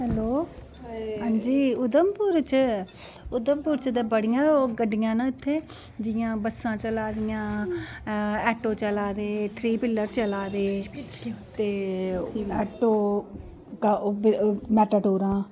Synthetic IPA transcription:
ɦɛloː | ɦãːɲd͡ʒiːʊd̪əmpuːɾt͡ʃə | ʊd̪əmpuːɾt͡ʃd̪eːbəɽɪjãːoɡəɖːɪjãːnaɪt̪ʰːeː | d͡ʒɪjãːbəsãːt͡ʃəlaːd̪ɪjãː | ɛːʈoːt͡ʃəlaːd̪eːt̪ʰɾiːpɪlːəɾt͡ʃəlaːd̪eː | t̪eː | ɛːʈoː | kːbɪmɛːʈaːʈoːɾãː

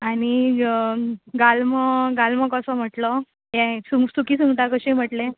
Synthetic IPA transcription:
aɽ̃i | ɡalməɡalmɔkəsɔm̤əʈlɔ | jɛ̃suŋsukiːsuŋɡʈ̪akəɕẽm̤əʈle

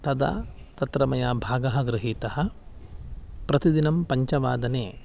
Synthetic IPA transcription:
t̪ɐd̪ɐ̰t̪ɐt̪ɾɐmɐjaːbʱaːɡɐɦɐ̆ɡɾɪɦiːt̪ɐɦɐ̆ | pɾɐt̪id̪inɐmpɐɲt͡ʃɐʋaːd̪ɐneː

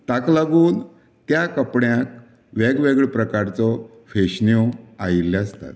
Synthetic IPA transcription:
t̪aklaɡuːn | t̪jakəpɳjak̚ | ʋɛɡʋeɡɭpɾəkaɾt͡sɔ | feɕnɔailːast̪a̰t̪̚

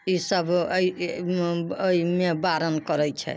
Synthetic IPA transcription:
isəbʱi | oimebaɾənkɔɾɛt͡ʃʰɛ̰

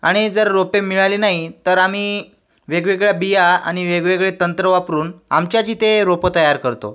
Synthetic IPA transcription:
aɽ̃id͡zəɾɾopemiɭalinaɦit̪əɾam̤iː | ʋeɡʋeɡɭjabijaa̰ɽ̃iʋeɡʋeɡɭet̪ənt̪ɾəʋapɾuːna̰mt͡ɕjat͡ɕiːt̪eɾopət̪əjaɾkəɾt̪o̰

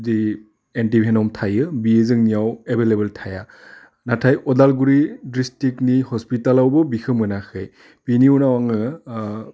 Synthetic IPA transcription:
zi | ɛntibʱɛnɔmtʰajɯbiezɯŋnijawɛbelebɛltʰaja | natʰajʔɔdalɡuɹidɹistiknihɔspitalawbɔbixʰɯmɯnaxɯj | piniunawaŋɯ

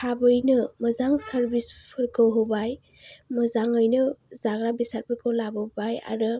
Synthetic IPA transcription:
kʰabɯjnɯmɐzaŋsəɾbispʰɯɾkʰɯwɦɯbaj | mɐzaŋɯjnɯzaɡɾabisaɾpʰɯɾkʰɯwlabɯbaja̰ɾɯ

